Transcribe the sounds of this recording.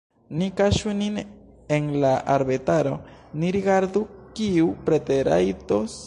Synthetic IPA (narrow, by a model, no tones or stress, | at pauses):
nikaʃunin | enlaʔaɾbet̪aɾo̞niɾiɡaɾd̪ukiupɾet̪eɾa̰jt̪os